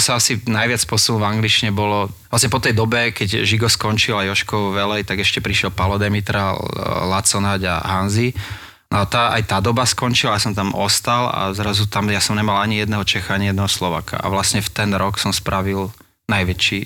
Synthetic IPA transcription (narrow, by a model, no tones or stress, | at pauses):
saasinajʋɪat͡spʊɔsɔumulmvaŋɡlit͡ʃiɲɛbɔlɔʋlastɲɛpɔt̪ɛjd̪ɔbɛkɛɟʒiɡɔskɔɲt͡ʃilajɔʃkɔʊʋɛlɛjt̪aɡɛʃcɛpɾiʃɪɛlpalɔd̪ɛmit̪ɾalat͡sɔnaɟa̰ɦanzi | nʔɔat̪aːʔa̰jt̪aːd̪ɔbaskɔnt͡ʃilajasɔmt̪amɔst̪ala̰zɾazut̪amjasɔmɲɛmalaɲijɛd̪nɛɦɔt͡ʃɛxaaɲijɛd̪nɛɦɔslɔʋa̰ːka̰a̰ʋlasɲɛft̪ɛnɾɔksɔmspɾʔaʋil | najʋɛt͡ʃi